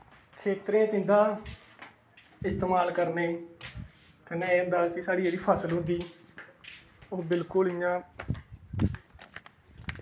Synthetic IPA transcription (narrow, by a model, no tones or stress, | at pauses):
kʰeːt̪ɾeãːt̪ĩːnd̪aː | ɪst̪eːmaːlkəɾneː | kəneːd̪aːkɪsaːɽiːd͡ʒeːɽiːpʰaːsəlɦʊ̃nd̪iː | oːbɪlkʊlɪjãː